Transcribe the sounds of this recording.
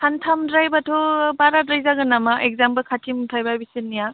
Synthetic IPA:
tʰantʰamdɾajbatʰobaɾatɾɯjzaɡɯnamaʔek̚zampɐkʰatʰimtʰajbajbisinːija

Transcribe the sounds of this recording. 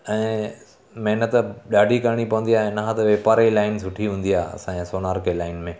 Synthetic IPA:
ɛ̃ː | mɐɦnət̪ɗaːɖʱikɐɾɽ̃ipɐʋə̃nd̪ijaːɦẽnɐɦãt̪ʋeːpaːɾilaːɪnsʊʈʰiɦũːn̆d̪iaːɐ̰sãẽsoːnaːɾkʰelaːɪnmẽ

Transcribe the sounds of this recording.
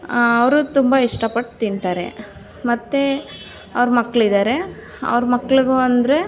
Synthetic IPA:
ɐʋɾut̪umbɐiʂʈɐpɐʈːt̪int̪aːɾe̞̰ | mɐt̪ːe | ɐʋɾmɐkːɐɭid̪aːɾe̞ | ɐ̰ʋɾmɐkːɐɭuɡuɐnd̪ɐɾe̞

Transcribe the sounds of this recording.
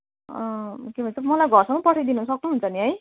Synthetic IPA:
ʌkebʱʌnt͡sʌmʌlajɡʱʌrsʌ̃ŋpʌʈʰid̪inusʌknuɦunt͡sʰʌniɦʌj

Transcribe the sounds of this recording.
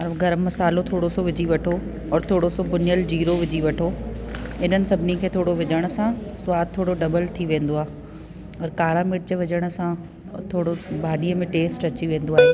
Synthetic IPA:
ɐɾɡʱɐɾəmɐsaːlot̪ʰoːɽosoʋɪd͡ʑiʋɐʈʰo | ɔːɾt̪ʰoːɽosobʊnɪjəld͡ʑiːɾoʋɪd͡ʑiʋɐʈʰo | ɪn̤ənɪ̆sɐbʱɪnikʰeːt̪ʰoːɽoʋɪd͡ʑəɽ̃ʊ̆sãsʊʋaːd̪̚t̪ʰːoːɽoɖɐbəlt̪ʰiʋẽːnd̪oaːɦe | ɔːɾkaːɾaːmɪʈ̚d͡ʑəʋɪd͡ʑəɽ̃ʊ̆sã | t̪ʰoːɽobʱaːɗiːəmẽʈeːsʈɐt͡ɕiʋẽːn̆d̪oaːɦeː

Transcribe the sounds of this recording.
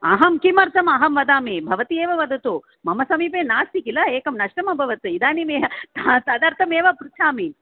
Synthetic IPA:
ɐ̰ɦɐmkimɐɾt̪ʰɐmɐɦɐmʋɐd̪aːmibʱɐʋɐt̪ieːʋɐʋɐd̪ʱɐt̪u | mɐmɐsɐmiːpeːnaːst̪ikilɐeːkɐmnɐʂʈɐmɐbʱɐʋɐt̪uid̪aːnimeːɦɐt̪at̪ɐd̪aːɾt̪ʰɐmeːʋɐpɾut͡ʃʰaːmi

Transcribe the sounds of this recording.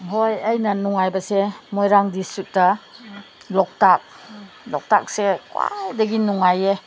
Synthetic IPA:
hojɐjnɐnuŋajbɐsemojɾaŋdisut̚dɐ | lɔk̚tak̚ | lɔk̚ta̰k̚sekwa̰jdɐɡinuŋaje

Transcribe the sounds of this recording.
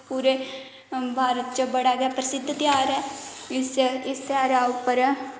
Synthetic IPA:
puːɾeː | bʱaːɾət̪t͡ʃəbəɽaːɡaːpɾəsɪd̪ʱt̪jaːɾɛːsɪst̪jaːɾaːʊpːəɾ

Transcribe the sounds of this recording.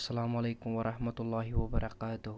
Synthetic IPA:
salamalajkʊmwaɾɑhmat̪ulːaɦiwabaɾʔɑkaːt̪ʊ

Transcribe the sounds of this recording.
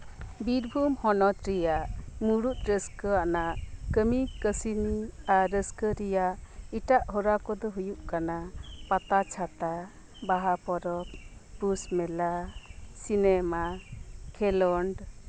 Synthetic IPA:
biɾbʱumhɔnɔt̪ɾijaʔmuɾut̪̚ɾəskɔanaʔkəmikəsinaɾəskəɾɛjaʔiʈaʔhɔɾakɔd̪ɔɦujuʔkanapat̪at͡ʃʰat̪a | baɦapɔɾɔppɾusmɛlasinɛmakʰɛlɔɳɖ

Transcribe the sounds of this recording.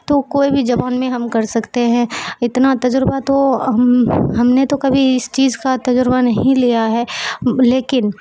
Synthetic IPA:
t̪okoːibʱid͡ʒɐbaːnmẽɦɐmkɐɾsɐkt̪eɦɛ̃ɪt̪nat̪ɐd͡ʒɾbat̪omɦɐmnet̪okɐbʱiɪst͡ʃiːzkat̪ɐd͡ʒʊɾbanɐɦɦĩlijaɦɛːleːkɪn

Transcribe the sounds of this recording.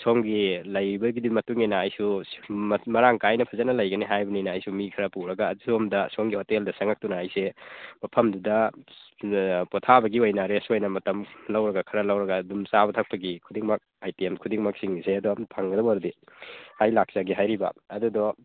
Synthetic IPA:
soŋɡilɐjɾibɐɡidimɐtuŋinɐːjsu | mɐɾaŋkajnɐpʰɐzɐt̚nɐlɐjɡɐniɦajbɐninɐɐjsumikʰɐɾɐpuɾɐɡɐːsomdɐsoŋɡihoteldɐsɐŋak̚tunaːjsemɐpʰɐmdudɐ | potʰabɐɡiojnaɾesuojnɐmɐtɐmlɐwɾɐɡɐkʰɐɾɐlɐwɾɐɡɐdumsabɐtʰak̚pɐɡikʰudiŋmɐk̚ajtiemkʰudiŋmɐk̚siŋiseɐdupʰaŋɡɐdɐbaɾdihajlak̚saɡiɦajɾibɐ̰ɐdudɔ

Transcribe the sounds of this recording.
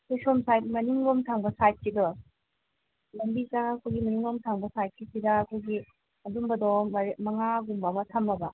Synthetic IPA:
kʰojsɔmsajt̚mɐniŋlomtʰaŋbɐsajt̚sidɔ | lɐmbikaŋɐkʰojɡimɐniŋlomtʰaŋbɐsajt̚kʰisidɐːkʰojɡi | ɐdumbɐdɔɐɾemɐŋaɡumbamɐtʰɐmːɐbɐ

